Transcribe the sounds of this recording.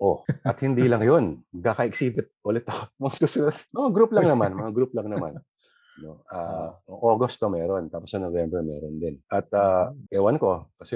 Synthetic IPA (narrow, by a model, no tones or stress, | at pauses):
ʔo̞ʔɐt̪̚hɪnd̪iːlɐŋjo̞nkaːkɐʔɪksiːbɪt̪̚ʔolɛt̪ːɐomɐŋskʊsʊnɐd̪mɐŋaɡɾuplɐŋnɐmanmɐŋaɡɾuplɐŋnɐman | no̞ʔaːoŋʔoɡost̪ːomɛːɾo̞nt̪aːposɐnovjɛmbɾɛmɛ̰ːɾond̪ɪnʔɐt̪̚aːʔɛwɐnko̞kɐsɛ